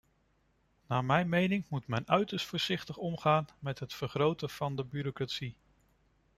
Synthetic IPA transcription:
naːmɛjnmejnɪŋmutmɛnœɥtəstfʊːɹsɪχtəχɔmχaːnmɛtɦətfəɹχrowtəv̥ɑndəbyɾokratsi

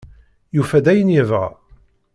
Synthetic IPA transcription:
jufæd̪æjənjəvʁa̰

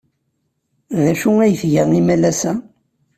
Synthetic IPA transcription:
ðæʃuæjθʝəʁimælæsæ

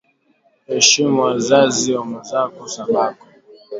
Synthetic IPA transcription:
hɛʃimazaziwamuzakɔsamakɔ

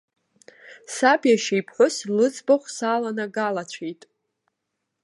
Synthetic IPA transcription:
sabjaʃejpʰħʷʊslɨd͡zʼbaχʷsaːlanaɡalat͡ɕʷʰejtʼ

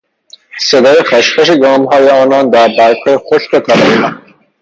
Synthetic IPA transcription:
sed̪ɒːjexæʃpæʃeɡɒːmɦɒːjeɒːnɒːnd̪æɾbæɾkʰɒːjexoʃtot̪ʰælɑmæ

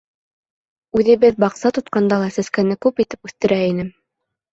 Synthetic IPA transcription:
ʉðɘ̆βɘðbɑqsɑt̪ŏt̪̚qɑnd̪ɑlˠɑsæskænɘkʉpit̪ɘpʉθt̪ɘ̆ɾæinɘm

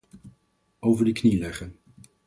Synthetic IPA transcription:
owvəɹdəknilɛχən

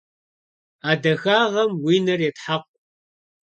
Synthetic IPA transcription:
aːdɐxaːʁɐmwiːnɐrjetħaqʷ

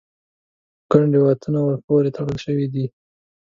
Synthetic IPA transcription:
kaɳɖewat̪ʰunawəɾpoɾet̪aɽəlʃəwid̪i

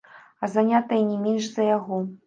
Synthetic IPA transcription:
ɐzanʲat̪ɐjɐnʲɛmʲɛnʂzɐjaɣɔ

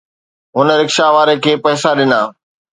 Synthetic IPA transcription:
ɦʊnɾɪkʃaʋaːɾekʰeːpɐɦsaɗɪnaː

